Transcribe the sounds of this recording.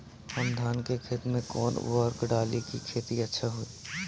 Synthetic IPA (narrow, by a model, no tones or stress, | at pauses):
hɐmd̪ʱaːnkekʰeːt̪mẽkɔ̰ːn̰ʋɔɾkɖaːlikikʰeːt̪iɐtːʃʰaɦoi